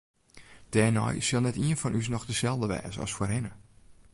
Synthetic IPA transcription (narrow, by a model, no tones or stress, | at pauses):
d̥ɛːnɔ̰jsɪlˠnɛtiənfɔnʔys̬nɔxdəsɛlˠdəʋɛ̰ːsɑ̰sforhɪnə